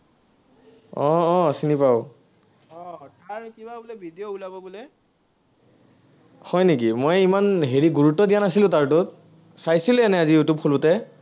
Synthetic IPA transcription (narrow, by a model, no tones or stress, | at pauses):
ɔ̃ːsinipaʊ | ɔtaɹkibabulɛbʱidijoulabɔbulɛ | hɔjnek̬imojimanɦeɹiɡuɹutːɔdijanasilʊ̃taɹtʊt | sajsilɛɛnɛazijutub̚xʰolutɛ